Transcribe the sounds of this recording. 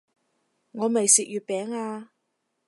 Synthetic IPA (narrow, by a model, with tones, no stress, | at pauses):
ŋɔː˨˧me˨jsiː˨k̚jyː˨t̚pɛː˨˥ŋaː˧